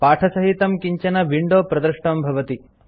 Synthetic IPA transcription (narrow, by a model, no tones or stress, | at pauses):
paːʈʰɐsɐɦit̪ɐmkiɲt͡ʃɐnɐʋiɳɖoːpɾɐd̪ɾʂʈɐmbʱɐʋɐt̪i